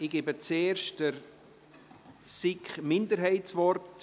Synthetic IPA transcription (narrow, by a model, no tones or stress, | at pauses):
ɪɡ̥ebət͡seːrʃtəɾ | sɪkχmɪndəɾɦɛɪtsvɔɾt